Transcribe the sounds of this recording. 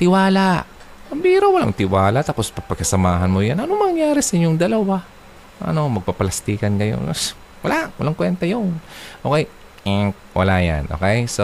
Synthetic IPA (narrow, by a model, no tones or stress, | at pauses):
t̪ɪwaːlaʔ | ʔɐmbiːɾowɐla̰ŋt̪ɪwaːlaʔt̪aːpo̞spɐpɐɡ̚kɐsɐmaːɦɐnmojanʔɐnomɐŋjaːɾɛsɐʔɪɲːoŋd̪ɐlɐwa | ʔɐ̰no̞mɐɡ̚papɐlɐst̪iːkɐnɡɐjo̰ns | wɐlaʔwɐlaŋkwɛnt̪ɐjonʔoːkɛj̩ | wʔɐ̰laja̰nʔo̰ːkɛjso